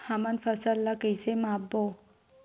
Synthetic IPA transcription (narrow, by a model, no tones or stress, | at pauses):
hamanfɐsɐlːakəjsemabo